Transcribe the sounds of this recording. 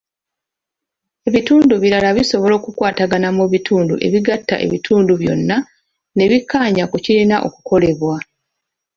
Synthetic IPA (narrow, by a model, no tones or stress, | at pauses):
e̞βituːnduβiɾalaβiso̞βo̞loːkukwaːtaɡanamuβitʰuːndṵʔe̞̰βiɡatːa̰ʔe̞̰βitʰuːnduβjo̞̰nːa | ne̞βikːaːɲakucilinaʔo̞̰ku̥kʰo̞le̞βwa